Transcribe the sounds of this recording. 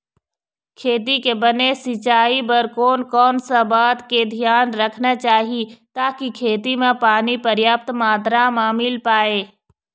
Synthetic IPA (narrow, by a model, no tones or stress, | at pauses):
kʰeːt̪ikebɐnesɪt͡ʃaːipəɾkoːnkɔːnsabaːd̪ked̪ʱijaːnɾɐkʰnat͡ʃaːɦit̪aːkikʰeːt̪imẽpaːnipɐɾjaːp̚t̪maːd̪ɾamãːmɪlpaːeː